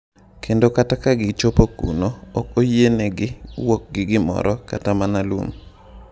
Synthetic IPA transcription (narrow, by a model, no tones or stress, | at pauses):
kʰendokatakaɡɪt͡ʃopokṵnoːkojieneɡɪwɔk̚ɡɪɡɪmɔ̰ɾɔkatamanalṵm